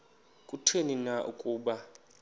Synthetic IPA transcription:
kʼutʰeninaʔṵkʼuːɓa

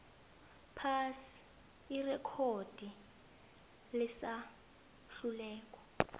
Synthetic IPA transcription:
pʰasi̥ | irɛkʰod̥ʱi | lɪsa | ɬulɛːk̬ʼɔ̥

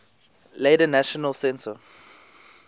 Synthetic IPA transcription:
ledənæʃɔnəlsɛ̃nsə

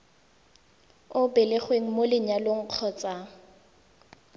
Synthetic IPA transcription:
ʊbɛlɪχweŋ̩molɪɲaloŋ̩q͡χʰɔːt͡sʼa

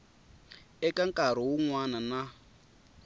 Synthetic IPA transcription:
ɛkʼaŋkʼaɾ̤ɔwuŋwanana

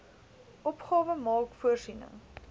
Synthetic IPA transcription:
ʔɔpχɑːvəmɑːkfuərsinə̰ŋ

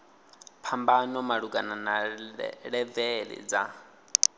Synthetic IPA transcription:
pʰambanɔmaɺuɡanana | ɺɛvɛɺɛ̰d͡za

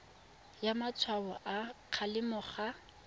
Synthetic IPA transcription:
jamat͡sʰwabɔʔaq͡χʰalɪmʊχa

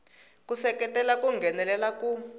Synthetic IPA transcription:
kusɛkɛtʼɛlakuŋɡʱɛnɛlɛlaku

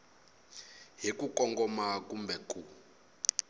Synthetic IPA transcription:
ɦikukɔŋɡɔmakumbɛkʼu

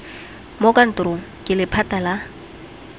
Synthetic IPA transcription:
mokʼan̩tʊrʊkʼɪlɪpʰatʼala

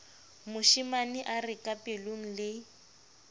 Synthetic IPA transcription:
mʊʃimanɪʔarɪkʼapʼeloŋ̩lɪ

